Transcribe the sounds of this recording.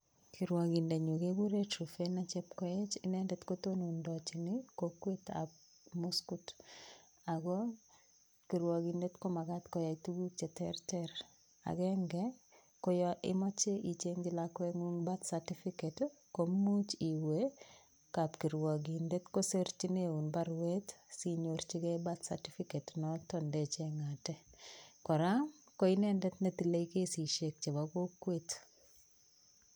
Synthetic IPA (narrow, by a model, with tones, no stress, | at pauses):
kʰi˨ɾwa˨ɡi˨nde˨ɲo˨ɡe˦ɡu˦ɾe˦tɾufenat͡ʃe˦pkɔ˦et͡ʃɪnɛ˦ndɛtko˦tonu˨ndɔt͡ʃɪnɪkokwe˦ta̰b̚ | muskut | aɡɔ˦ | ki˨ɾwɔ˨ɡinde˦tko˦ma˨ɡa˦tkɔja˨itu˦ɡu˦t͡ʃe˨tɛ̰ɾtɛɾ | a̰˨ɡɛŋɡɛ | ko˦jʔɪ̰˦mɔ˦t͡ʃe˦ʔi˨t͡ʃe˦ŋɡɪ˨lakweŋu˦ŋba˦t̪sati˦fiket | kommːu˦t͡ʃi˨we | ka˨pki˨ɾwa˨ɡi˨nde˦t̪ko˦se˦ɾt͡ʃi˦neu˨nba˦ɾwe˦t̪siɲo˨ɾt͡ʃi˦ɡɛ˦bat̪sa̰ti˦fike˨tnɔtɔnde˨t͡ʃe˦ŋatɛ˦kɔ˨ɾa˦ | ko˦i˦nɛ˦ndɛ˦t̪ne˦t̪i˨le˦i˦ke˦si˨ʃe˨k̚t͡ʃe˨baɡo˦kːwet